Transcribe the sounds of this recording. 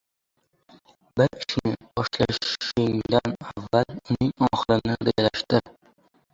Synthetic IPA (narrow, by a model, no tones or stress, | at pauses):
bɪɾɪʃnɪbɒʃla̰ʊŋd̪anavːalʊnɪŋɒχɨlɪnɪɾɪd͡ʒʲalaʃt̪ɪ